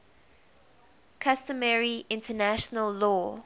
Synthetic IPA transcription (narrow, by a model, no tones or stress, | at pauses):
kʰastəmɛɹiʔɪ̃ntənæʃənəlːɔː